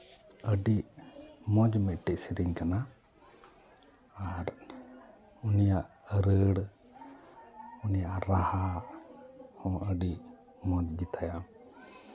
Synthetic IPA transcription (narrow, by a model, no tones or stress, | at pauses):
əɖiʔmɔd͡ʒmɛʔʈɛʔsiɾiɲkana | aɾ | unijaʔ | əɾəɽ | unijaʔɾaha | hɔ̃əɖiʔ | mɔd͡ʒɡit̪ʰaja